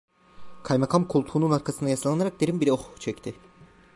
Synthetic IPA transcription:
kʰajmakʰamkʰulˠt̪ʰuːnunaɾkʰasɯnd̪ajasalˠanaɾak̚d̪eɾimbiɾɛoxt͡ʃʰɛct̪ʰɪ

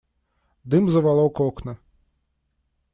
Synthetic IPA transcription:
d̪ɨmzɐʋalˠɔwkɔknɐ

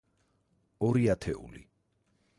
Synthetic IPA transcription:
ɔɾiat̪ʰɛṵlḭ

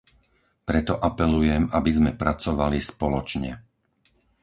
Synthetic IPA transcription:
pɾɛt̪ɔʔapɛlujɛmabizmɛpɾat͡sɔʋalispɔlɔt͡ʃɲɛ̰

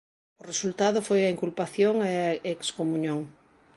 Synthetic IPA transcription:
ʊresult̪aðʊfojɐiŋkulpaθjoŋeekskomũɲõŋ

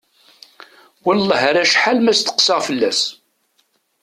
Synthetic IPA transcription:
wəllˤːəɦɾæʃħalmæst̪ə̥qsəʁfəlːæs

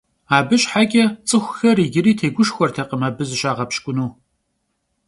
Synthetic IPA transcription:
aːbɨɕʼħaɡʲʼɐt͡sʼɨxʷxɐriːɡʲɪɾiːtʰeːɡʷʊʃxʷɔrtʰɐqəmaːbɨzɨɕʼaːʁɐpɕkʷʼʊnuː

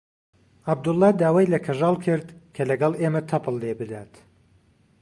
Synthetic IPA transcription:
ab̚d̪ʊlˠːɑd̪aːwajlɐkʰɐʒɑːlˠkʰɨɾd̪kʰɐlɐɡɑlˠeːmɐt̪ʰɐpʰɨlˠːebɨd̪aːt̪

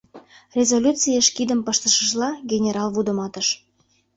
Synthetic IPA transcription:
rʲezolʲut͡sijəʃkid̪əmpɤʃt̪əʃəʒlɑɡʲenʲeɾɑlβud̪əmɑt̪əʃ

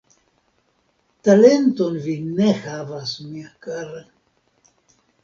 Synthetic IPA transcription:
tale̞nto̞nvine̞havasmiakaɾe

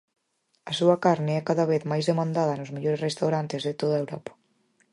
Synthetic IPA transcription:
ɐsuɐkaɾneɛkaðaβ̞eθmajzðemãnd̪aðɐnʊzmeʎoɾesrest̪awɾant̪ezðet̪oðaewɾɔpɐ̥

